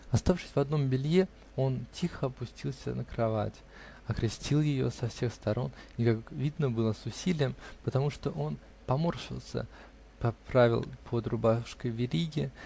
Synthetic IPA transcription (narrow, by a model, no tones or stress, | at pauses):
ɐst̪afʂɨ̥sʲvɐd̪no̞mbʲɪlʲje | o̞ntʲʰixəpʊsʲtʲilˠsʲə̰nəkɾɐva̰tʲ | ɐkɾʲɪsʲtʲilˠjɪjo̞̰sɐfsʲe̞xst̪ɐɾo̞̰nʲɪkakvʲid̪nəbɨlˠəsʊsʲilʲɪjəmpət̪ɐmuʂt̪o̞ʔo̞n | pɐmo̞rʂɨ̰lˠsʲə̰ | pɐpɾavʲɪ̰lˠpʰod̪ɾʊbaʂkəjvʲɪɾʲiɡʲɪ